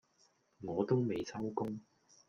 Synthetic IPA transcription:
ŋɔː˨˧t̪o˥wme˨˧jt͡sʰɐ˥wkʊ˥ŋ

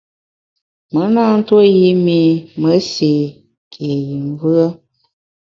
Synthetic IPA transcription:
mə˨˦na˦n̩˦two˦ji˧˦mi˧mə˨˦se˨ | kʰe˨ji˨m˦vɨ˦ə˦

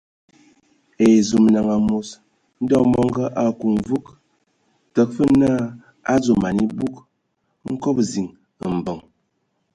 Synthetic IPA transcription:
e˨zu˨m˨na˨ŋa˨mo˨s | n̩˦dɔ˦mɔ˦ŋ˦ɡə˦ʔa˨ku˨ɱ˨vu˦k | tə˨k̚fə˦naː˦˨ | a˦d͡zo˨ma˨ni˦bu˦k̚ | ŋ̩˦ko˦p̚zi˨ŋ | ə˨m̩˨bə˨ŋ

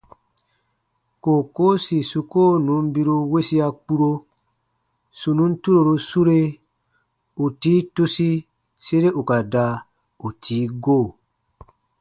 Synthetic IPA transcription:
ko˨ko˦si˨su˧koː˦nũ˨˦m˦bi˦ɾu˧we˦si˦a˧k͡pu˦ɾo˧ | su˨nũ˦n˦tu˦ɾo˨ɾo˧su˦ɾe˦ | u˨tiː˦tu˦si˦ | se˦ɾe˦ʔu˨ka˨da˧˦ | u˨tʰiː˨˦ɡoː˦˨

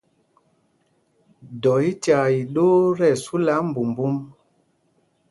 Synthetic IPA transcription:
dɔ˨i˦ta˨i˨ɗo˦ɾɛ˦˨su˦la˨˦m̩˨bu˨mbu˦m

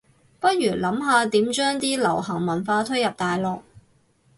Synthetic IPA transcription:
pɐ˥t̚jyː˨˩lɐ˨˥mɦaː˨˧t̪iː˨˥mt͡ʃœː˥ŋt̪iː˥lɐ˨˩whɐ˨˩ŋmɐ˨˩nfaː˧t̪ʰɵ˥ɥjɐ˨p̚t̪aː˨jlɔː˨k̚

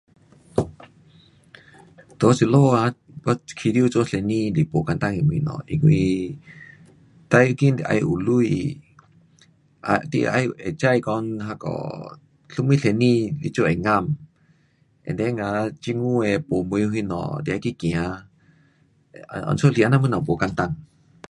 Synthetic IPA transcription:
t̪o˨˧˦si˧˨lo˦˧˨a˧˦ | bɔ˧kʰi˧di˧u˧t͡so˧˦ɬɛ˧nĩ˧li˨po˨ka˧nt̪a˧ŋɛ˨mḭ˧˨nɔ̰˨ʔḭ˧˨ŋwi˧ | t̪a˧ju˧ki˦˧˨ʔa̰˧jʔu˨lu˧j̰ | at̪ḭ˧a̰˧jʔɛ˨t͡ʃa˧jkɔ˧nɦa˧kɔ̰˨ | ɬu˧mi˧˦ɬɛ˧˨ni˧lḭ˧˦t͡ʃo˧ʔɛ˨ŋa˧m | ʔɛ̰˨ndɛ˧˦ŋa˧˦t͡ʃi˧ŋu˧˦ɛ˨po˨mu˧jɦi˧nɔ̰˨di˧˨ʔa˧jki˦kĩ˨a˨˧ | ɔ̰˨nso˦li˧˨a˧na˧mɨ˧˦na˨po˨ka˧nt̪a˧˨ŋ

